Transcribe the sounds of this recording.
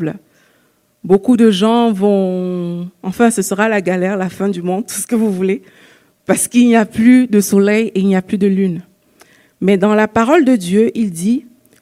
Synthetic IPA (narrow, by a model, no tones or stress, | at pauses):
l | bokud̪əʒɑ̃vɔ̃ | ɑ̃fɛ̃səsəʁalaɡalɛʁlafɛ̃d̪ymɔ̃d̪̚t̪usə̥kəvuvule | paʁsə̥kilniaplyd̪əsɔlɛjeilnijaplyd̪əlyn | mɛd̪ɑ̃lapaʁɔld̪əd̪jøʔild̪i